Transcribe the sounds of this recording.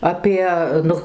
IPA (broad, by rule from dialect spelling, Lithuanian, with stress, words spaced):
ɐˈpʲiɛ ˈnʊ